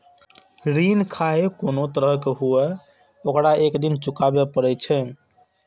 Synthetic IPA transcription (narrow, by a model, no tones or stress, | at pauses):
ɾinkʰaɦekonot̪əɾəɦkeɦue | okɽaekd̪int͡ʃukabepəɾɛt͡ʃʰɛ